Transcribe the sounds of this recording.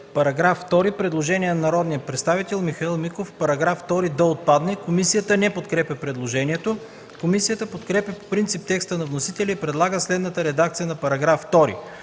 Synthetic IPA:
pɐɾɐɡɾafːt̪ɔɾipɾɛd̪lˠoʒɛniɛnɐnɐɾɔd̪nijəpɾɛt̪st̪avit̪ɛlˠmixɐilˠmikofpɐɾɐɡɾaft̪ɔɾid̪ɐot̪̚pad̪nɛkomisijət̪ənɛpot̪kɾɛpjʲɛpɾɛd̪lˠoʒɛniɛt̪o | komisijət̪əpot̪kɾɛpjɐpo̥pɾint̪sip̚t̪ɛkst̪ənɐvnosit̪ɛlʲiipɾɛd̪lˠaɡəslɛd̪nət̪əɾɛd̪ak̚t̪sijənɐpɐɾɐɡɾafːt̪ɔɾḭ

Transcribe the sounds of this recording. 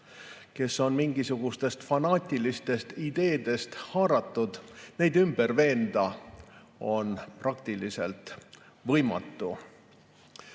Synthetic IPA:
ke̞sːo̞nmiŋɡisuɡ̥ust̪e̞st̪fɑnɑːt̪ʲˑilist̪e̞st̪id̪̥e̞ːd̪̥e̞st̪hɑːɾɑt̪ːˑud̪̥ne̞jd̪ymb̥e̞rve̞ːnd̪ɑ | o̞nprɑkt̪ilise̞̰lt̪ | vɤ̞jmɑ̰t̪ːu

